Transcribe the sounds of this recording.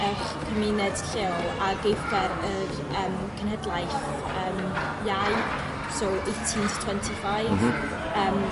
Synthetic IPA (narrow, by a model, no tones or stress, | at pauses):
ɛɬ | kʰəmɪnɛd̥ɬeɔlˠaɡejfɡɛɾər | əːm | kʰənhədlˠajθ | əːm | jaj | soːʔejtʰintʰtʰw̥ɛntʰifajvv | əːm